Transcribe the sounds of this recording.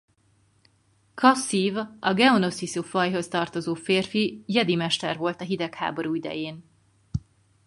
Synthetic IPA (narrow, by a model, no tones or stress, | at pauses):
kʰɒsivʔɒɡɛono̞sisufɒjɦo̞st̪ɒrt̪o̞zoːfeːrfijɛd̪imɛʃt̪ɛrvo̞lt̪ɒɦid̪ɛkha̰ːbo̞ɾuːid̪ɛ̰jeːn